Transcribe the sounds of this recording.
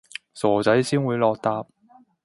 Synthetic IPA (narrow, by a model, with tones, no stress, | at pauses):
sɔː˨˩t͡sɐ˨˥jsiː˥nwuː˨˧jlɔː˧k̚t̪aː˧p̚